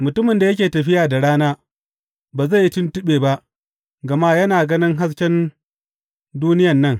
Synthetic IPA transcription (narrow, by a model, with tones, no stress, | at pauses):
mʊ˨tʊ˦mɪ˨nda˨jɐ˦kʲeː˨tɐ˨ɸɪ˦jaː˨da˨ɽaː˦naː˦ | baː˨za˦˨ji˦tɪ˦ntʊ˦ɓeː˨ba˦ʔ | ɡɐ˨ma˦jɐ˦naː˨ɡɐ˦nɪ˦ŋɦa˦s̬kʲɛ˦n | duː˦nɪ˦jɐ˨nːɐ˦˨ŋ